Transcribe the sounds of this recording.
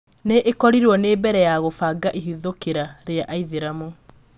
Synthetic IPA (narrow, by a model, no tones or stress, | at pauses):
neʔekɔɾiɾwɔnebɛɾɛjaɣofaɡaʔiɦiðokeɾaɾeaʔaiðeɾamo